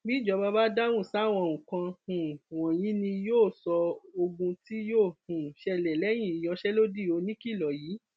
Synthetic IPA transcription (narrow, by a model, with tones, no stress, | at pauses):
bi˦˨d͡ʒɔ˧ba˦ba˦da˦wũ˦˨sa˦˨w̃ɔ̃˧˨ũ˨kã˧hũ˨w̃ɔ̃˨j̃ĩ˨˦nĩ˧joː˦˨sɔ˧o˧ɡũ˧ti˦joː˦˨hũ˨ʃɛ˧lɛ˨lɛ˨˦j̃ĩ˦˨i˨j̃ɔ̃˧˦ʃɛ˦lo˦di˦˨o˧nĩ˦ki˦˨lɔ˨jiː˨˦